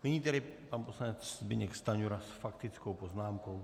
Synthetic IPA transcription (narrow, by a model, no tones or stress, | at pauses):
nɪɲiːt̪ɛɾɪpanposlaɲɛt͡sbɪɲɛkst̪aɲuɾasfakt̪ɪt͡skowpoznaːmko̞w